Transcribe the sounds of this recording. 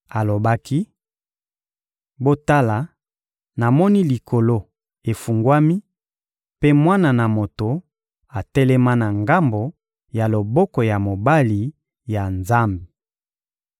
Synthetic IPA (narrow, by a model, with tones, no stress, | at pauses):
a˨lo˨ba˦ki˦ | bo˦ta˦la˨ | na˨mɔ˦ni˦li˨kʰo˨lo˦ | e˨fu˨ŋɡwa˦mi˦ | pe˦mwa˦na˨na˨mo˨to˨ | a˨tɛ˦lɛ˦ma˦na˨ŋɡa˦mbo˨ | ja˨lo˨bɔ˦kɔ˨ja˨mo˨ba˦li˨ | ja˨nza˦mbe˨